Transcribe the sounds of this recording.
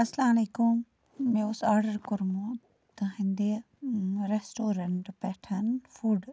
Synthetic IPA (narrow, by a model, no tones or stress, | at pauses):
ɐslaːnikũm | mẽʊsaːɾɖəɾkʊɾmũ | t̪ɐɦĩnd̪e | ɾesʈoːɾɐɳʈpɛːʈʰɐnfuːɖ